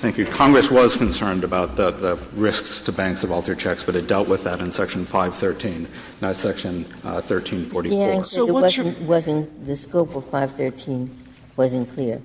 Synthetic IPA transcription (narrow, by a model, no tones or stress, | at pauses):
θæ̃ŋkjʉkʰɑ̃ŋɡɹɨswʌz̥kɨ̃nsɜ̃˞ndɨbaʊt̪̚ðəðəɹɪskstʰɨbæ̃ŋksʌvɔlˠθʰə˞t͡ʃʰɛksb̥ʌɾɨdɛlˠʔwʔəðɨɾɨ̃nsɛkʃɨ̃n̩faɪv̥θɜ˞tʰĩn | naʊsɛkʃɨ̃n | θɜ˞tʰĩnfɔɹɾiæ̃wʌ̃nwʌzɨ̃nðɨskoʊpʌv̥faɪv̥θɜ˞tʰĩn | wʌzɨ̃nkʰl̥ɪɹ